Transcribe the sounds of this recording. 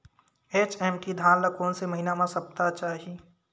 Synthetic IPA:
eːt͡ʃɛːmʈid̪ʱãːnləkoːnseməɦinamãsəpt̪at͡ʃaːɦi

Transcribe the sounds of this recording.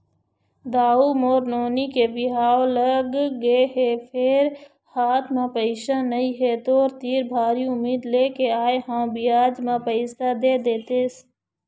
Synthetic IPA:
d̪aːuːmoːɾnoːniːkeːbɪɦaːoləɡːeːɦeːpʰeːɾ | haːt̪ʰmãpəɪʃaːnəĩːɦeːt̪oːɾt̪iːɾbʱaːɾiʊmiːd̪leːkeaːeɦãːbiaːd͡ʒmãːpəɪsad̪eːd̪eːt̪eːs

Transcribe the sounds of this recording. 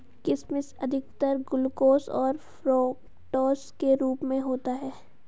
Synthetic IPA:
kɪsmɪsɐd̪ʱɪɡt̪əɾɡʊlkoːsɔ̰ːɾfɾoːk | ʈɔːskeɾuːpmẽɦoːt̪aɦɛː

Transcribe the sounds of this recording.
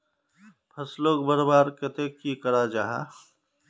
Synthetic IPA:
pʰɐsloːɡbəɾbaːɾket̪ekːikəɾad͡ʒaːɦa̰

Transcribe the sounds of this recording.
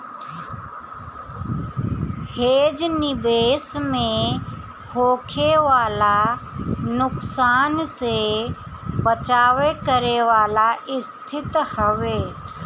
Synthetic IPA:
heːd͡ʒnɪbeːsmẽ | hoːkʰeʋaːla | nʊksaːnse | bət͡ʃaːʋekəɾeʋaːlaʔɪst̪ʰɪt̪həʋeː

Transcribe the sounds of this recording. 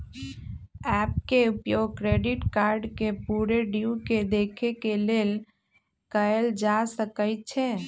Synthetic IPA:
ɛp̚keupjoɡ̚kɾeɖiʈkaɾɖkepuɾeɖiuked̪ekʰekeleːl | kəeld͡ʒasəkəɪt̪̚t͡ʃʰɛ

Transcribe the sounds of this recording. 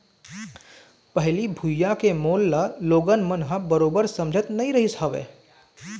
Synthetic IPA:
pɐɦlibʱujakemoːlːaloːɡənmənɦãbəɾoːbəɾsɐ̃md͡ʒʱət̪nɐɦĩɾɐɦisɦaʋḛː

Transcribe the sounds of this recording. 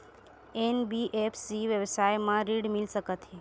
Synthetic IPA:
enbiʔepʰsiʋjəʋsajmãɾiɽmilsəkət̪i

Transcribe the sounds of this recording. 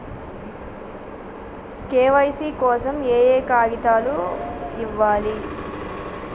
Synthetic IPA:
keːʋɐjsiːkɔːsɐmeːjeːkaːɡit̪aːluiʋːaːli

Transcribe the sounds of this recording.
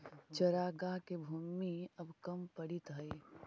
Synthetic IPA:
t͡ʃɐɾaːɡaɦkebʱuːmiɐbkɐmpəɽit̪ɦəj

